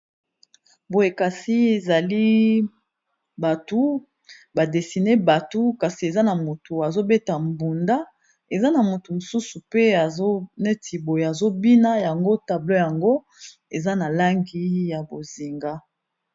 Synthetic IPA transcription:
bo˨je˨ka˨si˦e˨za˨li˦ | ba˨tu˦ | ba˨de˨si˨ne˦ba˨tu˦ka˨si˨e˨za˦na˨mo˨tu˨a˨zo˦be˦ta˨mbu˨nda˦ | e˨za˦na˨mo˨tu˨mo˨su˦su˨pe˦a˨zo˦ne˦tʰi˨bo˨je˨a˨zo˦bi˦na˦ja˨ŋɡo˦ta˨blo˦ja˨ŋɡo˦ | e˨za˦na˨la˦ŋɡi˦ja˨bo˨zi˨ŋɡa˦

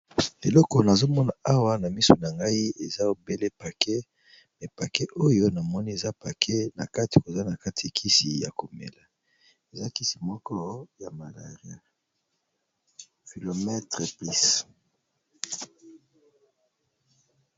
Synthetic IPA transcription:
e˨lɔ˦kɔ˨na˨zo˦mɔ˦na˨a˦wa˦na˨mi˦so˨na˨ŋɡa˦i˦e˨za˦o˨be˦le˦pa˨kʰɛ˦ | mɛ˨pa˨kɛ˦ʔo˦jo˦na˨mɔ˦ni˦e˨za˦pa˨kʰɛ˦na̰˨ka˦ti̥˨ko˨za˦na˨ka˦tʰi˨kʰi˦si˨ja̰˨ko˨mḛ˨la˨ | e˨za˦ki˦si̥˨mɔ˦kɔ˦ja˨ma˨la̰˨ʁja̰˨ | ki˨lo˨mɛ˦tʁe˨pli˦s

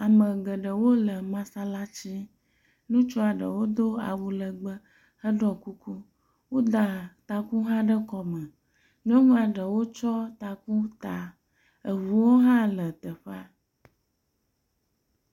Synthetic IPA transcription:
a˨mə̃˨ɡə˨ɖə˨wo˦lə˨mã˦sa˦la˦t͡ɕi˦ | nũ˦t͡ʃɔ˦a˨ɖə̰˨wo˦d̪o˦a̰˨wu˨lə˨ɡ͡bə˦ | hə˦ɖɔ˦ku˦ku˦ | wo˦d̪a˨t̪a˨ku˦ɦã˦ɖə˦kɔ˨mə̃˨ | ɲ˦ɔ̃˦nũ˦a˨ɖə˨wo˦t͡ʃɔ˦t̪a˨ku˦t̪a˨ | ə˨vu˨wo˦ɦã˦lə˨t̪ə˨ɸa˦

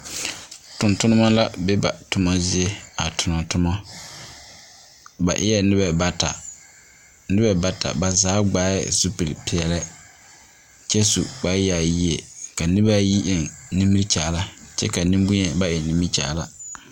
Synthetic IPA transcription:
tʊ̃˨ntʊ˦nʊ˦ma˦la˦be˦ba̰˨tʊ˨mɔ˦zɪ˦e˦a˨tʰʊ˨nɔ˨tʊ˦mɔ˦ | ba̰˨ʔɪ̰˦ɛ˦nɪ˦bɛ˦ba˨ta̰˨ | nɪ˦bɛ˦ba˨tʰa̰˨ba˨zaː˨˦ɡ͡baː˦ɛ̰˦su˦pi˨pʰɪ˨ɛ˨lɛ˦ | t͡ʃɛ˦sṵ˨k͡pa˦ja˨ji˦e˨ka˨nɪ˦ba˦ji˦ʔɛ˨nnĩ˦mːi˦ɾt͡ʃaː˨˦˨la˦t͡ʃɛ̰˦ka˨nĩ˦mbu˦ɲɛ˨ba˦ʔɛ˨nĩ˦mi˦t͡ʃa̰ː˨˦˨la˦

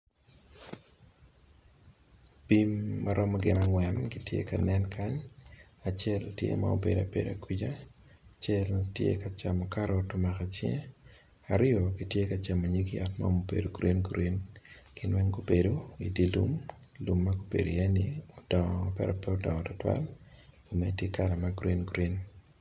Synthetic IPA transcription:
bimːaɾɔ˦mɔɡɪ˦naŋwɛnɡitjḛ˦ka˨nɛ˦nkʰa˦ɲa˨t͡ʃɛ˦ltjḛ˦ma̰o˦be˨da̰˨pḛ˨da̰˨ki˦d͡ʒa˦ | t͡ʃɛ˦ltjḛka˨t͡ʃamɔka˦ɾotʊma˨ka˨t͡ʃḛ˦ | aɾɪ˦o˨ɡi˦tje˦ka˨t͡ʃa˨mo˨ɲi˦kja̰tma̰omo˨bḛ˨do˨ɡɾi˦nɡɾinkɪ˦nwɛ˦ŋɡo˦bedo˦i˨di˦lṵ˦m | lu˨mːaɡo˦bḛ˨do˨jɛ˦nɪodɔ˨ŋɔpɛ̰˦ɾɛ˨pɛ˦o˦dɔ˨ŋɔ˨tɔ˦twa̰˦lɡu˨me˦tje˦kala˨maɡɾi˦nɡɾi˦n

